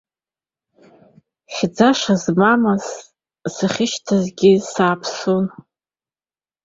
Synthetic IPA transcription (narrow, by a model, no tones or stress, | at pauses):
χʲd͡zaʂazmamaz | saχʲɪʃtʰazɡʲɪsaːpʰsun